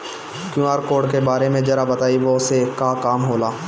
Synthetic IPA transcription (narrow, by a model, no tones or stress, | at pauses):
kjũaːɾkoːɖkebaːɾemẽd͡ʒɐɾabɐt̪aːiʋoʊsekːakaːmɦoːlaː